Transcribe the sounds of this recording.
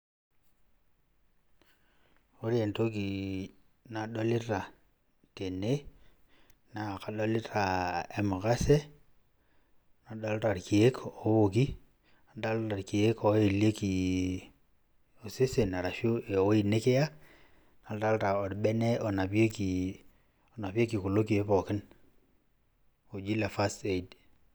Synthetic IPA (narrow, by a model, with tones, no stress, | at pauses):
o˦ɾje˨nto˦ki˨ | na˨ɗo˦lɪ˦ta˨ | te˨ne˦ | naː˨ka˨ɗɔ˦lɪ˦ta˨e˦mo˨ka˦se˦ | na˨da˦lɾa˨ɾki˨e˦ko˨˦wo˨ki˦ | na˨da˦lta˨ɾki˨e˦ko˨˦i˨li˦e˦ki˨ | o˨se˦se˨na˨ɾa˨ʃo˦e˨o˨wi˨ne˦ke˦ja˦ | na˨lda˦lɾa˨o˨ɾɓe˦ne˦o˨na˨pe˦ki˨ | o˨na˨pi˦e˦ki˨ku˨lo˦ki˨e˦pɔ˨kɪ˦n | o˨d͡ʒi˦la˨fa˦ste˦˨d